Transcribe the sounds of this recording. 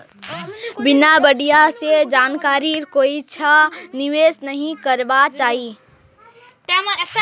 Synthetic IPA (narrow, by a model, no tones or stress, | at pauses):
bɪnabəɽijased͡ʒaːnkaːɾiɾkoːit͡ʃʰanɪʋeːsnəɦĩkəɾbat͡ʃaːɦi